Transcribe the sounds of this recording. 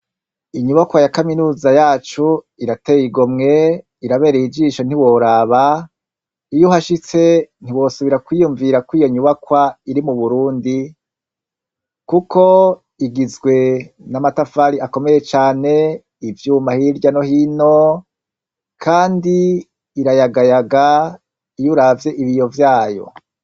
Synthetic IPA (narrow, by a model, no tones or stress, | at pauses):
iɲuβakwajakaminuːzajaːt͡ʃu | iɾateːjiɡomŋe̞ | iɾaβe̞ːɾeid͡ʒiːʃo̞n̥iwo̞ɾaːβa | ijuɦaʃit͡se̞n̥iwo̞suβiɾakwijuɱviɾakwiːjo̞ɲuβakwaiɾimuβuɾuːndi | kukʰo | iɡizɡwe̞ | namatafaːɾiako̞me̞je̞t͡ʃaːne̞ | ivjuːmahiɾɟano̞hino̞ | kʰaːndiː | ɾajaɡajaɡa | ijuɾavje̞ʔiβijo̞vjaːjo̞̰